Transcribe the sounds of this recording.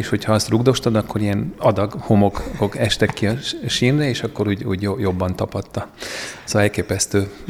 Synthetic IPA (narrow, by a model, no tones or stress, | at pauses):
eːʃho̞cʰhɒɒst̪ruɡd̪o̞ʃt̪ɒd̪ɒkːo̞ɾijɛnɒd̪ɒɡho̞mo̞kɡokɛʃt̪ɛkːiɒʃinrɛeːʃɒkːo̞ɾuːɟuːɟjojo̞bːɒnt̪ɒpɒt̪ːɒzɛlkeːpɛst̪øː